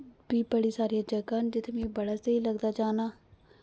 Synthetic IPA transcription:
biːbəɽiːsaːɾijaːd͡ʒəkaːnd͡ʒɪt̪ʰemẽːbəɽaːseːiːləɡd̪aːd͡ʒaːnaː

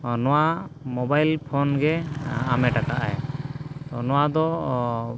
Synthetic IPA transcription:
ɔnɔwamɔbajlpʰɔnɡɛamɛʈakaʔa̰jt̪ɔnɔwad̪ɔ

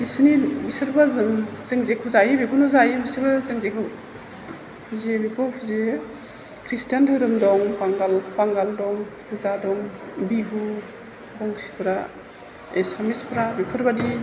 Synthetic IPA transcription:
bisnibisɯɾbazɯmz̥ɯŋzekʰuzajibikʰunɔzajibisibɯzɯŋzekʰɯ | pʰuzebipʰɔwpʰuze | kʰɾistijantʰɯɾɯmdɔŋpaŋɡalpaŋɡaldɔŋpʰuzadɔŋbiɡu | bɔŋsi̥pʰɯɾa | esamispʰɯɾabipʰɯɾbadi

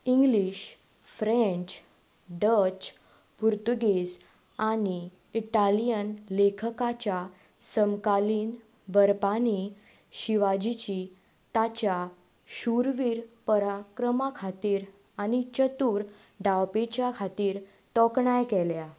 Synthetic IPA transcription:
iŋɡliɕ | fɾɛ̃ɲt͡ɕ | ɖət͡ɕ | puɾt̪uɡes | aniː | ʈalijənlekʰəkat͡ɕa | səmkaliːn | bəɾpani | ɕiʋad͡ʑit͡ɕi | t̪at͡ɕja | ɕuɾʋiːɾpəɾakɾəmakʰat̪iːɾ | añit͡ɕət̪uːɾ | ɖawpet͡ɕjakʰat̪iːɾ | t̪ɔkɳajkɛlja

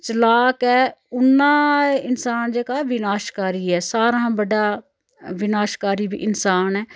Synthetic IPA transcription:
t͡ʃəlaːkɛːʊnːãːɪnsaːnd͡ʒeːkaːʋɪnaːʃkaːɾiːɛːsaːɾãːbəɖaː | ʋɪnaːʃkaːɾiːbḭːʔɪnsaːnɛː

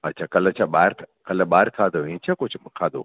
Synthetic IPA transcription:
ɐtːt͡ʃʰakɐlɐt͡ʃʰaɓaːɾkʰkɐləɓaːɾkʰaːd̪oĩːt͡ʃʰakʊt͡ʃʰkʰaːd̪o̰ː

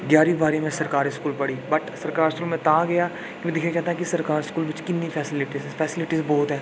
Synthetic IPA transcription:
ɡjaːɾibaːɾĩmẽsɐɾkaːɾiskuːlpɐɽiːbɐʈsɐɾkaːɾɪskuːlmẽt̪aːɡɐjaː | kimɛ̃d̪ɪkʰnẽkɛːt̪ãkisɐɾkaːɾɪskuːlbɪt͡ʃkɪnːifʰɛːsɪlɪʈizɛfʰɛːsɪlɪʈizbɔːt̪ɦɛː

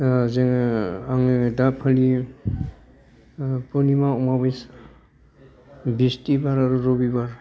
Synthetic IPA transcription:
zeŋaŋɯdapʰali | pɔnimaɔmabes | bistibaɾaɾuɾobibaɾ

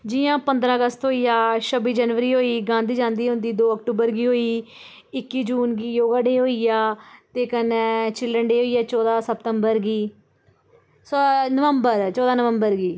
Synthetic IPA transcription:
d͡ʒɪjãːpənd̪ɾãːəɡəst̪ɦoːiːjaːʃəbiːd͡ʒəːnʋəɾiːɦoːiːɡãːnd̪iːd͡ʒãːnd̪iːɦʊ̃nd̪iːd̪oːək̚ʈuːbəɾɡiːɦoːiː | ɪkːiːd͡ʒuːnɡiːjoːɡãːɖeːɦoːiːjaːt̪eːkənɛ̃ːt͡ʃɪlːəɳɖeːɦoːiːaːt͡ʃɔːd̪aːsəpt̪əmbəɾɡiː | sonəʋəmbəɾt͡ʃɔːd̪aːnəʋəmbəɾɡiː

